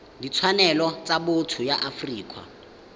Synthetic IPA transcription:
dit͡sʰwanɛlɔt͡sʼabotʰʊjaʔafriːkʼwa̰

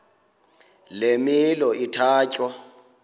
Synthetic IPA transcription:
lemilɔitʰaːcʼwa

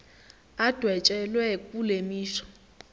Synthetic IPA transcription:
ad̥ʱwɛt͡ʃʼɛlwɛkʼulemiːʃɔ̥

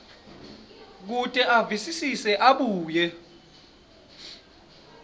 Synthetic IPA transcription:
k̬utʼɛʔavisisisɛʔaɓuːjɛ

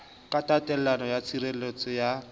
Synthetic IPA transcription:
kʼatʼatʼɛl̩lanɔjat͡sʰiɾelet͡sʼɔja

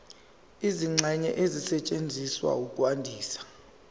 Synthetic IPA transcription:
iziŋ͡ǀʱɛɲɛ̰ʔezisɛt͡ʃʼend͡zʱiswa̰ukʼwandʱiːsḁ

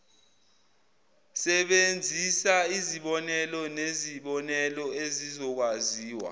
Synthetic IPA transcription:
sɛɓend͡zʱisaiziɓɔnɛlɔneziɓɔnɛlɔezizɔk̬waziːwa̰

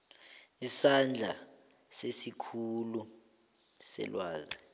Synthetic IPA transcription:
isand͡ɮʱa | sesikʰulu | sɛ̰lwaːzɛ

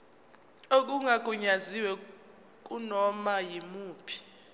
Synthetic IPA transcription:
ok̬ʼuŋakʼuɲaziwɛ | k̬ʼunɔmajimuːpʰi̥

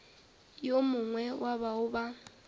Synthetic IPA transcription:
jomʊŋwɛwʔaβaʊba

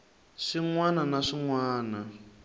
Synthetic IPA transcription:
ʂiŋwananaʂiŋwaːna

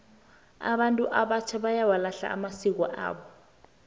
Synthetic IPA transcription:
a̰ɓantʼuʔaɓat͡ʃʰɛɓajawalaɬa̰a̰masik̬wɔ̰ʔa̰ːɓɔ

